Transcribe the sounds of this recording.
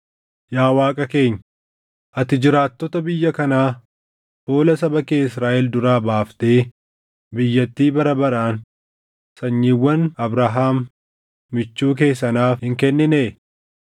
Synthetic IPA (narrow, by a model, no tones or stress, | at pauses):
jaːwaːkʼɐke̞ːɲː | ʔɐt̪ɪd͡ʒɪɾaːt̪ːɔt̪ɐbɪjːɐkɐnaː | fo̞ːlɐsɐbɐkeːɪsɾaːʔɛld̪ʊɾaːbaːft̪eː | bɪjːɐt̪ːiːbɐɾɐbɐɾaːn | sɐɲːiːwːɐnɐbɾɐɦaːmː | ɪt͡ʃːuːk̬e̞ːs̬ːɐnaːfhɪŋkɛnːɪneː